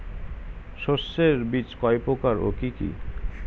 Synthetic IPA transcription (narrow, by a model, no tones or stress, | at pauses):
ʃosːeɾbit͡ɕkɔjpokaɾo̰kikḭ